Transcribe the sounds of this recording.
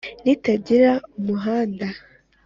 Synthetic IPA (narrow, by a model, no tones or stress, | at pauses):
nitaɟiɾaumuɦaːnda